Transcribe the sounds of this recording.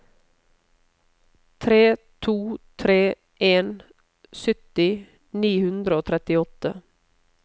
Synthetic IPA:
t̪ʰɾeːt̪ʰuːt̪ʰɾeː | ʔeːn | sʏt̪ɪ | niːhʉnd̪ɾəoːt̪ʰɾɛt̪ɪɔt̪ə̰

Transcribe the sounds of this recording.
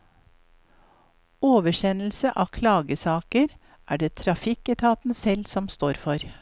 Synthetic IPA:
oːʋəʃɛnl̩səʔɑːkʰlɑːɡəsɑːkəɾ | ʔæːɖeːt̪ʰɾɑfɪkɛt̪ʰɑːt̪n̩sɛlsɔmst̪oːɾfɔɾ

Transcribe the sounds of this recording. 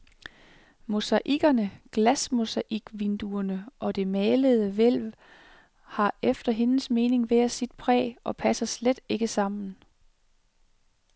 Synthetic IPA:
mo̝sɑʔiɡ̥ɐnəɡ̥læsmo̝sɑʔiɡ̥ʋind̥uɐnəʔɒ̽d̥e̝mɛːləð̞̩ˠəʋel̰ʋ | hɑ̈efd̥ɐɦe̝nsme̝ːne̝ŋʋeæsid̥̚pʰʁɛ̰ːɒ̽pʰæsɐsled̥e̝ɡ̥əsɑ̈m̰n̩

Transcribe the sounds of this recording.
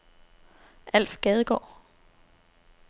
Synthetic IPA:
ʔæl̰fɡ̥ɛð̞ˠəɡ̥ɒ̰ː

